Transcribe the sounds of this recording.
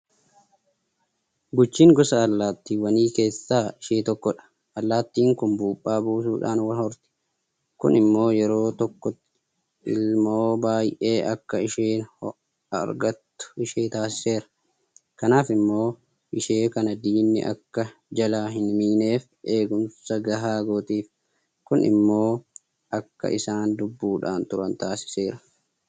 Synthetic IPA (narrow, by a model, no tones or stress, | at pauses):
ɡʊt͡ʃːiːŋɡɔsɐːlːaːt̪ːiːwɐniːke̞ːsːaːɪʃeːt̪ɔkːɔᶑɐ̥ | ʔɐlːaːt̪ːiːŋkʊmbuːpʼːaːbuːs̬uːᶑa̰ːnwɐnhɔɾt̪ɛ̥ | kʊ̰nɪmːo̞ːjɛɾo̞ːt̪ɔkːɔ | ɪ̰lmo̞ːbaːjʔe̞ːʔɐkːɐɪʃeːn | ɐ̰ɾɡɐt̪ːʊ̥ɪʃeːt̪aːs̬ɪ̥se̞ːɾɐ̥ | kɐnaːfɪmːo̞ː | ʔɪʃeːkɐnɐd̪iːnːɪ̰ʔɐ̰kːɐd͡ʒɐlaːɦɪnmiːne̞ːf | ʔe̞ːɡʊmsɐɡɐɦaːɡoːt̪iːf | kʊnʔɪ̰mːo̞ː | ʔɐkːɐ̰ʔɪsaːnd̪ʊbːuːᶑaːnt̪ʊɾɐnt̪aːsɪ̥se̞ːɾɐ